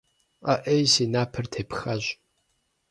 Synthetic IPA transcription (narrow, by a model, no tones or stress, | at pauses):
aʔejsinaːpʰɨrtʰeːpxɐʑ